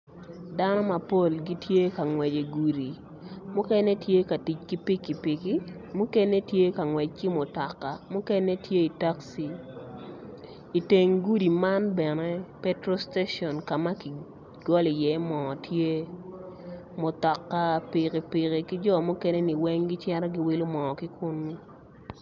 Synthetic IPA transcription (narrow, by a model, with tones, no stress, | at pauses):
da˦nɔ˦ma˨po˦˨lɡi˦tje˦ka˨ŋwɛ˨d͡ʒe˨ɡu˨ɾi˨ | mʊ˦kɛ˦ne˦tje˦ka˨ti˨t͡ʃ̚ki˦pɪ˦kːi˨pɪ˨ki˦ | mʊ˦kɛ˦ne˦tje˦ka˨ŋwɛ˨t͡ʃ̚ki˦mʊ˨tɔ˨kːa˨mʊ˦kɛ˦ne˦tje˦i˨ta˦ksi˨ | i˨te˨ŋɡu˦di˨ma˦nbɛ˨nɛ˦pɛ˦tɾo˦ste˦ʃɔ˨nka˨ma˦ki˨ | ɡ̥ɔ˦li˨jɛ˨˦mɔː˨tʰje˦ | mʊ˨tɔ˨kːa˦pɪ˨ki˨pɪ˨ki˨ki˦d͡ʒɔ˦mʊ˦kɛ˦ne˦ni˨wɛ˦ŋɡi˦t͡ʃɛ˦ɾɔ˦ɡi˦wi˦lʊ˦mɔ˨ɔ˨ki˦kʊ˦nːi˦